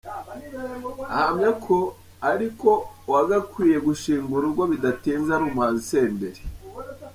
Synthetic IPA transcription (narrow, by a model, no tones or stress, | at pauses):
ahamɲakʰo | aɾiko̞waɡakwiːje̞ɡuʃiːŋɡuɾuɾɡwoβidatiːnzaɾumaːnise̞ːndeɾi̥